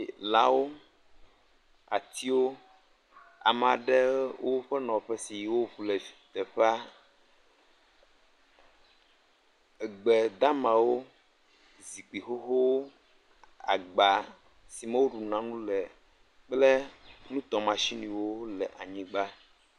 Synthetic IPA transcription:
la˨˦wo˦ | a̰˨t̪i˦wo˦ | a̰˨mɛ˨a˨ɖɛ˦wo˦ɸɛ˦nɔ̃˨ɸɛ˦si˨jwo˦ɸlɛ˨fi˨t̪ɛ˨ɸa˦˨ | ɡ͡bɛ˨d̪a˦mã˨wo˦ | zi˨k͡pi˨xo˦ɦo˦wo˦ | a̰˨ɡ͡ba˨ | si˨mɛ˦wo˦ɖu˨nã˨nũ˦lɛ˨ | k͡plɛ˦nũ˦t̪ɔ˨mã˨ʃi˦nĩ˨wo˦lɛ˨ʔa˨ɲĩ˦ɡ͡ba˦

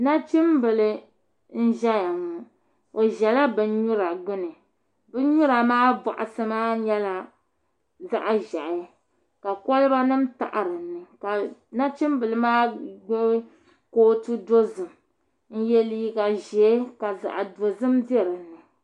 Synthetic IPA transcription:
na˦t͡ʃi˦mbɨ˨lɨ˨ | n̩˦ʒɛ˦ja˨ŋɔ˨ | o˨ʒɛ˨la˦bɨ˨˦ɲu˦ɾa˨ɡ͡bʊ˦nɨ˨ | bɨ˦ɲu˦ɾa˨maː˦ba̰˨ʔa˨sɨ˦maː˦ɲɛ˦la˦ | za˦ʔa˨ʒɛ˨ʔɪ˨ | ka˨kɔ˦lɨ˦ba˦nɨ˦mta̰˨ʔa˨ɾɨ˨nːɨ˨ka˨na˦t͡ʃɨ˦mbɨ˨lɨ˦maː˦ɡ͡bo˦ | koː˦tɨ˦do˦zɨ˨m | n̩˦jɛ˦li˦i˦ka˨ʒɛ˨˦ka˨za̰˨ʔa˨do˨zɨ˦mdɛ˦ɾɨ˨nːɨ˨

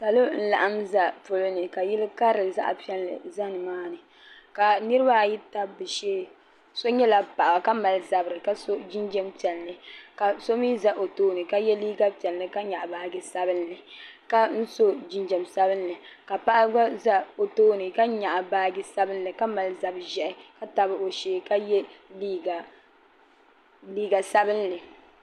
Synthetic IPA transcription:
sa˨lo˦n̩˦la̰˨ʔa˦mza˨pʊ˨lɨ˦nɨ˨ka˨ji˦lɨ˦ka˦ɾɨ˨za̰˦ʔa̰˨pi˦ɛ˦lːɨ̰˨za˦nɨ˨maː˦nɨ˨ | ka˨nɨ˦ɾɨ˦ba˦˨ji˦ta˦bɨ˨ʃɛː˦ | so˦ɲɛ˦la˨pa˨ʔa˨ka˦ma˨lza˨bɨ˨ɾɨ˨ka˦so˦d͡ʒi˦nd͡ʒɛ˦mpɛ˨lnɨ˨ka˨so˦mi˦za˦ʔo˨toː˦nɨ˨ka˦jɛ˦liː˦ɡa˦pi˨ɛ˨lnɨ˨ka˦ɲa˨ʔbaː˦ɡɪ˦sa˦bɨ˦nːɨ˨ka˦n̩˦so˦d͡ʒi˦nd͡ʒɛ˨msa˦bɨ˦nː˦ɨ˨ | ka˨pa˦ʔa˦ɡa˦za˦o˨toː˦nɨ˨ka˦ɲa˨ʔa˨baː˦ɡɪ˦sa˦bɨ˦nː˦ɨ˨ka˦ma˨lza˨bʒɛ˨ʔɪ˦ka˦ta˨bɨ˦o˨ʃeː˦ka˦jɛ˦liː˦ɡa˨ | liː˦ɡa˨sa˦bɨ˦nː˦ɨ˨

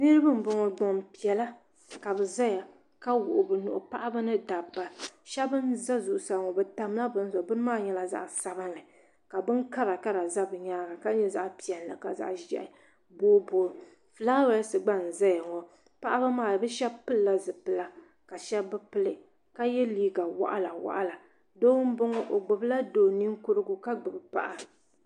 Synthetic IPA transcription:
nɨ˦ɾɨ˦bɨ˦m̩˦bɔ˨ŋɔ˨ɡ͡bɔ˨m˨pi˨ɛ˨la˦ | ka˨bɛ˨za˦ja˨ | ka˦wʊ̰˨ʔʊ˨bɨ˨nʊ̰˨ʔʊ̰˨pa˦ʔa˦ba˦nɨ˦da˨bːa˨ʃɛ˦bɨ˦nza˦zʊ˨ʔʊ˨sa˨ŋɔ˨bɨ˨ta˦m˦la˦bɨ˦n˦zɔ˨bɨ˦n˦maː˦˨ɲɛ˦la˨za̰˨ʔsa˦bɨ˦nːɨ˨ | ka˨bɨ˦nka˦ɾa˨ka˦ɾa˨za˦bɨ˨ɲaː˦ɡa˨ka˦ɲɛ˦za˦ʔpi˨ɛ˨n˨la̰˨ka˨za̰˨ʔʒɛ̰˨ʔɪ˨ | boː˦boː˨ | fɨ˨la˦ɾa˨˦sɨ˨ɡ͡ba˦n̩˨za˦jɛ˨ŋɔ˨ | pa˦ʔa˦ba˦maː˦˨bɛ˦ʃɛ˦bpɨ˦lːa˦zɨ˨pɨ˨la˦ | ka˨ʃɛ˦bbɨ˦pɨ˦lɨ˨ | ka˦jɛ˦liː˦ɡa˨wa̰˦ʔa̰˦la˨wa̰˦ʔa̰˦la˨ | doː˦wm̩˦bo˦ŋɔ˦ʔo˨ɡ͡bʊ˨bla˦doː˨ni˦ŋkʊ˦ɾɨ˦ɡʊ˦ka˦ɡ͡bɨ˨bɨ˨pa̰˨ʔa˨

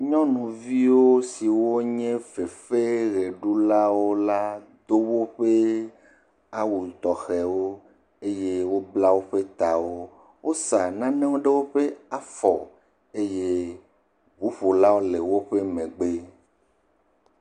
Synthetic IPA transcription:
ɲɔ̃˦nũ˨vi˦wo˦si˨wo˦ɲɛ̃˦ve˨fe˦ɣe˨ɖu˦la˦wo˦la˦d̪o˦wo˦ɸe˦ | a˦wu˨t̪ɔ˨xɛ˨wo˦ | e˦je˦wo˦bla˦wo˦ɸe˦t̪a˨wo˦ | wo˦sa˨nã˦nẽ˦wo˦ɖe˦wo˦ɸe˦a˨fɔ˨ | e˦je˦ | bu˨˦ɸo˨la˦wo˦le˨wo˦ɸe˦mẽ˨ɡ͡be˦

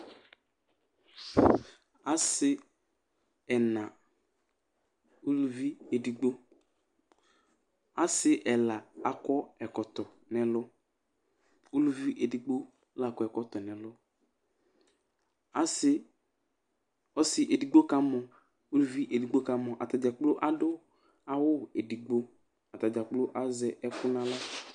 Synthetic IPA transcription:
a˦sɪ˦ | ɛ˨nã˨ | o˦lu˦vi˦e˨di˨ɡ͡bo˦ | a˦sɪ˦ʔɛ˨la˨a˨kɔ˦ɛ˨kɔ˨tɔ˨ | nɛ˨lʊ˦ | o˦lu˦vi˦ʔe˨di˨ɡ͡bo˦ | la˦˨kɔ˦ɛ˨kɔ˦t̪ɔ˨nɛ˨lʊ˦ | a˦sɪ˦ | ɔ˦sɪ˨ʔe˨di˨ɡ͡bo˦ka˦mɔ˨ | o˦lu˦vi˦ʔe˨di˨ɡ͡bo˦ka˦mɔ˨ʔa̰˨ta˨d͡ʒa˨k͡plo˦ʔa˨dʊ˦ | a˨wʊ˦˨e˨di˨ɡ͡bo˦ | a˨ta˨d͡ʒa˨k͡plo˦ʔa˦zɛ˨ʔɛ˦kʊ˦nã˦la˦

